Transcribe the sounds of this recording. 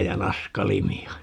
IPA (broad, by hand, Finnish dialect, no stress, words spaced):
jɑ nɑskɑlimiɑ